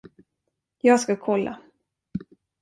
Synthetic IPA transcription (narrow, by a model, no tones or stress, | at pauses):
jɑːɡskakʰɔlːa̰